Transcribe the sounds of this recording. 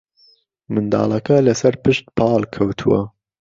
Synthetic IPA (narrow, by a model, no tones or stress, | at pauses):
mɨnd̪ɑ̰ːlɐkɐlɐsɐɾpɨʃt̪̚pʰɑːlkʰɐwt̪ʰuwɐ̰